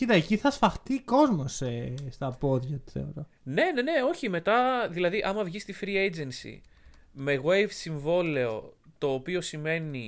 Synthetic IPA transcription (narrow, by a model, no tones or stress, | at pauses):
iðɐciθɐsfɐxt̪iko̞zmo̞sest̪ɐpo̞ðʝɐt̪u̥θḛo̰ɾo | ne̞ne̞ne̞o̞çime̞t̪ɐðilɐðiʔɐmɐvʝist̪ifɾiejd͡ze̞nsḭme̞ɣwejvsiɱvo̞le̞o̞̰t̪o̞ːpio̞sime̞ni